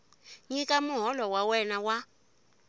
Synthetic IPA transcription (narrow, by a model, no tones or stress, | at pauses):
ɲikʼamuɦɔlɔwawɛnawa